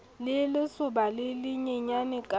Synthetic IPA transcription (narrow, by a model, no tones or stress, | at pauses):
lɪlɪsuɓaleliɲɛɲanɛkʼa